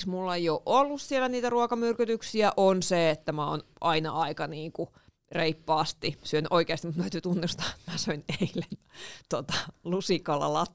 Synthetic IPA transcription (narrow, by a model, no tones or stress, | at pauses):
smulːejoʔʔolːussielæniːt̪æruɑkɑmyrkyt̪yksiæʔonseet̪ːæmæo̰ːnʔɑinɑ̰ɑikɑniːŋku | reipːɑːst̪isyønyʔoikeɑst̪imut̪mææt̪yːt̪unːust̪ɑ̥t̪mæsoineilːent̪ot̪ɑ̥lusikolːɑ̰lɑt̪ː